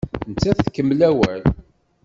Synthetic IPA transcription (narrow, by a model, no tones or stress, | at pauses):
nt͡sːæθkːəmːlæwæl